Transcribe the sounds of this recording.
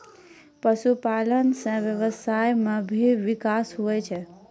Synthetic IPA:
pəsupalənsə̃ʋjəβəsajmebʱiʋikasɦoɛt͡ʃʰɛ

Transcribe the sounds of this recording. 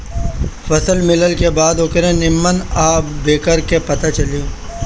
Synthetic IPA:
fɐsəlmɪləlkebaːd̪ʊkɾẽnɪmːənaːbeːkəɾkepɐt̪at͡ʃɐli

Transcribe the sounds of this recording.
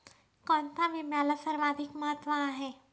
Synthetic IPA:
kɔ̃ːnt̪ʰamemjaːlasəɾmaːd̪ʱɪkmɐɦət̪ːʋaãɦɛː

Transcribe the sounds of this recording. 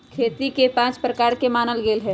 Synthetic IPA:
kʰeːt̪ikepãːt͡ʃpɾəkaːɾkemaːnəlɡeːlɦɛ̃ː

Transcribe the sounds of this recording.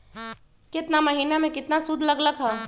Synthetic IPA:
kɪt̪namɐɦiːnamẽkɪt̪nasʊd̪ʱlɐɡləɡɦɛː

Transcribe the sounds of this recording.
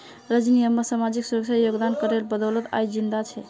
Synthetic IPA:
ɾəd͡ʒnijəmːesamad͡ʒiksuɾəkt͡ʃajoɡd̪ankəɾelbəd̪ɔlət̪a̰jd͡ʒind̪at͡ʃʰɛ

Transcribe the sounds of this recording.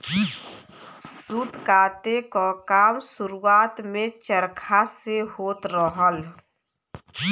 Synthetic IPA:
sud̪kaːt̪ekakaːmsʊɾuaːt̪mẽt͡ʃəɾkʰaseɦoːt̪ɾəɦəl

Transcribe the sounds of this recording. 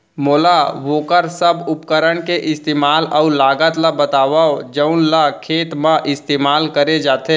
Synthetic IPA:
moːlaʋoːkəɾsəbʊpkəɾəɽkeʔɪst̪eːmaːlɔʊɾlaːɡət̪labət̪aːʋaod͡ʒəʊnlakʰeːt̪mãʔɪst̪eːmaːlkəɾed͡ʒaːt̪e

